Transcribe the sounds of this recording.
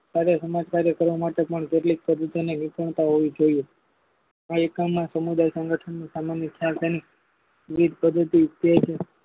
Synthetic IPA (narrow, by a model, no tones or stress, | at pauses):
saɾjasəmad͡ʒkaɾjəkəɾʋamaʈepəɳkeʈlik̚pəd̪ʱːət̪inenikʰəɳ̃t̪aɦoʋid͡ʒoie | aekamːãsəmud̪ajsə̃ŋɡəʈʰəɳnisamanjəkʰjalt̪eni | ʋid̪̚ʱpəd̪ʱːət̪ip̪jet͡ʃʰe